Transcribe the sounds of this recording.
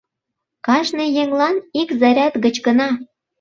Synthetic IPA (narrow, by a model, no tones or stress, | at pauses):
kɑʃnɤjeŋlɑnikzɑɾʲæt̪ɣə̆t͡ɕkə̆nɑ